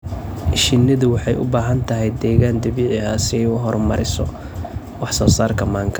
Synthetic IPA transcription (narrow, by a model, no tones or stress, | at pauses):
ʃɪnːɐðʊwɑħɑjʔʊ̰baːɦɐnt̪ʰɐɦɛjd̪ɛːɣaːnd̪ɐβiːʕɪhasɪjʊɦɔrmɐɾɪsɔ̰ | wɑħsɔːsaːrkʰɐmaːŋkʰɐ